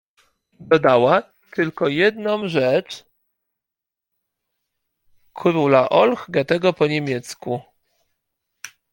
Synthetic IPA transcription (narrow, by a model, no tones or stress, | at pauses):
d̪ɔd̪awa | t̪ɘlkɔjɛd̪nɔ̃mʐɛt͡ʂ | kʰɾulaʔɔlxɡɛt̪ɛɡɔpɔɲemʲjɛt̪sku